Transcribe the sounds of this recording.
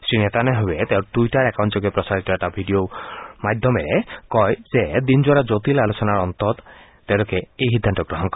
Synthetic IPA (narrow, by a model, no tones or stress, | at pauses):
sinet̪aneɦoet̪ewʈuiʈaɾɛkawnt͡ʃɔɡepɾɔsaɾit̪ɔɛʈabʱiɖiomajd̪ʱːɔmeɾekɔjzed̪ind͡ʒwaɾad͡ʒot̪ilalosɔnaɾɔnt̪ɔt̪ | t̪ewlɔkeejɦid̪ʱːant̪ɔɡɾɔɦɔnkɔɾ